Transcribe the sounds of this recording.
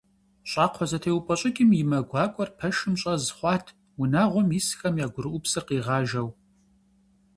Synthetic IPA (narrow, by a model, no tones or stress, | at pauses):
ɕʼɑːqʷʰɔzɐtʰeːwpʼɔɕʼɪkʲʼɪmjɪmɐɡʷɑːkʷʼɔrpʰɐʃɨmɕʼɐzɨχʷɑːtʰ | wʊnaːʁʷɔmjisxɐmjaːɡʷʊɾɨʔʷʊpsɨrqiːʁɑːʒɐw